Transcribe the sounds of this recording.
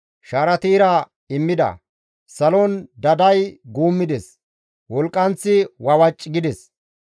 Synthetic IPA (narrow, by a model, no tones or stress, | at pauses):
ʃaːɾɐt̪iːɾɐ | ɪmːɪd̪ɐ̰ | sɐlɔnd̪ɐd̪ɐjɡuːmːɪd̪ɛs | wɔlkʼːɐnt͡sːɪwɐwɐt͡ʃʼːɪɡɪd̪ɛs